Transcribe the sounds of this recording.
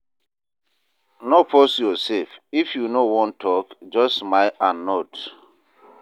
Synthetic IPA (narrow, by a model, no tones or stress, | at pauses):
nopɔsjɔsɛfifjunowɔ̃ntʰɔkd͡ʒɔsmaɪanːɔt